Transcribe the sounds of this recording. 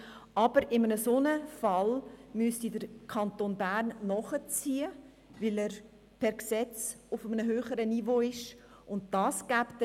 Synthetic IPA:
ʔɑb̥əɾɪmənəsoːnəfɑlmystidəɾkʰɑntoːnbæːrnːɔχət͡siːə | vɪlɛːɾ | pʰɛɾksɛt͡s | ʊfəmənəɦøːχəɾənivoːɪʃ | ʊntd̥ɑːsɡ̥æpt

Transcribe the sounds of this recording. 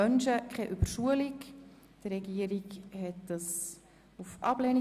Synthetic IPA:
œnʃəkʰɛʔyb̥əɾʃuəlik | d̥əɾɛɡiəɾikhɛt̚d̥ɑs | ufʔɑblɛni

